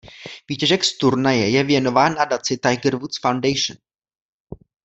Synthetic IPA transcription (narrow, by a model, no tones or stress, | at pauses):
viːcɛʒɛkst̪uɾnajɛjɛvjɛno̞vaːnːadat͡sɪt̪ajɡəɾvut̪sfawndɛjʃn